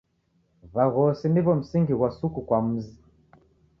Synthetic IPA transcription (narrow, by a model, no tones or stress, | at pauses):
βaɣɔsiniβɔm̩siŋɡiɣwasukukwam̩zi